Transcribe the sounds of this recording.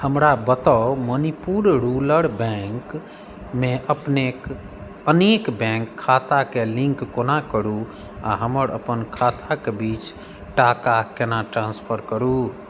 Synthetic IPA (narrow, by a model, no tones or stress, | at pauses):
həmɾabət̪amənipuɾɾuləɽbɛ̃ŋk | meʔəpnek | ənekbɛ̃ŋkʰːat̪akelĩŋkːonakəɾu | a̰ɦəməɾə̰pənkʰat̪ʰakebit͡ʃ | ʈakakenaʈɾãnspʰəɾkəɾu